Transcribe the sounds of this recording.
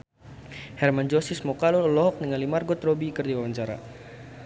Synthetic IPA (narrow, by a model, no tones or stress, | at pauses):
hɛrmand͡ʒɔsismɔkalɔləlɔɦɔk̚nəŋalimarɡɔt̪rɔbikɨrdiwawaɲt͡ʃaɾa̰